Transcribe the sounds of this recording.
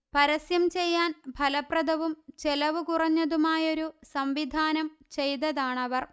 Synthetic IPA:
pɐɾɐsjɐmt͡ɕe̞jːaːnbʱɐlɐprɐd̪ʱɐʋumt͡ɕelɐʋɨkurɐɲːɐðumaːjo̞ɾusɐmʋid̪ʱaːnɐmt͡ɕe̞jt̪ɐðaːɳɐʋɐr

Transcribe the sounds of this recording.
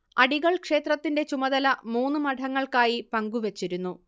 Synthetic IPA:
ɐɽiɣɐɭkʂe̞ːt̪rɐt̪ːinde̞t͡ɕumɐðɐlɐmuːnːɨmɐʈɐŋːɐɭkaːjipɐŋɡuʋet͡ɕːiɾunːu

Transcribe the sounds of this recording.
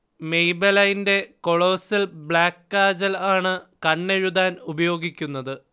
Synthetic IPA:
me̞jbɐlɐjinde̞ko̞ɭo̞ːsɐlbɭaːkːaːd͡ʑɐlaːɳɨkɐɳːe̞ɻuðaːnubɐjo̞ːɡikʲːunːɐðɨ

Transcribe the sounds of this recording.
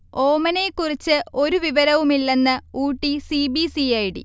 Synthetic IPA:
o̞ːmɐne̞ːkːurit͡ɕːɨo̞ɾuʋiʋɐɾɐʋumilːenːɨuːʈːisibisiaːjiɽḭ

